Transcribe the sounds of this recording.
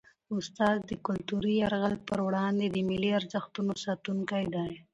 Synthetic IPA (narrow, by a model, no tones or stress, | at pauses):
ʊst̪ɑːzd̪əkʊlt̪uɾiaɾɣalpəɾwɽɑnd̪ed̪əmɪliaɾzaxt̪unosɑt̪uŋkajd̪aj